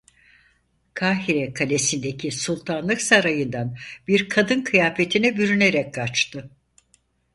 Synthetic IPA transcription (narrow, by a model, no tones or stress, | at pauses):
kʰaːɦiɾɛkʰalʲe̞sind̪ecʰisulˠt̪ʰanlˠɯksaɾajɯnd̪anbiɾkʰad̪ɯnkʰɯjaːfe̞t̪ʰinɛbyɾyneɾɛk̚kʰat͡ʃt̪ʰɯ